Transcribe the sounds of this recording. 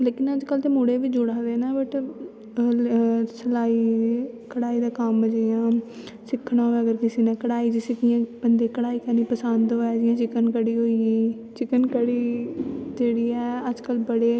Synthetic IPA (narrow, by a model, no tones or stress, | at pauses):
leːkɪnəd͡ʒkəlt̪eːmʊɽeːʋid͡ʒʊɽaːd̪eːnaːbəʈ | səlaːiː | kəɽaːiːd̪aːkəməd͡ʒijãː | sɪkʰːɽãːɦoːeːəɡəɾkɪsiːnẽːkəɽaːiːd͡ʒiːsɪkɪjãːbənd̪eːkəɽaːiːkənĩːpəsənd̪oːɛːd͡ʒɪjãːt͡ʃɪkənkəɽiːɦoːiːiː | t͡ʃɪkənkəɽiːd͡ʒeːɽiːɛːəd͡ʒkəlbəɽeː